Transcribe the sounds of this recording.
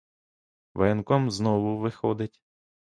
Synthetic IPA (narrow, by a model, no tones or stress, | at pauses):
ʋɛnkɔmznɔʋʊʋɪxɔd̪ɪtʲ